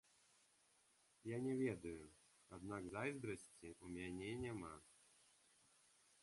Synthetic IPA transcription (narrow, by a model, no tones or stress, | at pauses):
janʲɛvʲed̪ɐjʊ | ad̪naɡzajzb̪ɾəsʲt͡sʲiʔumʲɛnʲenʲɛma